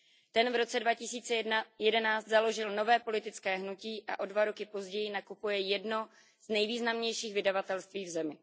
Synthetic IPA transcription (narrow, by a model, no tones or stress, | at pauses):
t̪ɛnvɾo̞t͡sɛdvacɪsiːt͡sɛjɛdɛnaːt͡st̪zalo̞ʒɪlno̞vɛːpo̞lɪt̪ɪt͡skɛːɦnuciːʔa̰ʔo̞dvaɾokɪpo̞zɟɛjɪnakupujɛjɛdno̞ | z̥nɛjviːznamɲɛjʃiːɣvɪdavat̪ɛlst̪viːvzɛmɪ